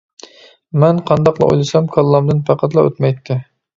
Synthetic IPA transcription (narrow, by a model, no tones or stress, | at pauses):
mɛnqʰɑnd̪ɑqlˠɑ̰ʔo̰jlˠɨsɑmkʰɑlˠːɑmd̪ɨnpʰæqʰɑt̪lˠɑø̰t̪mɛjt̪ʰːɪ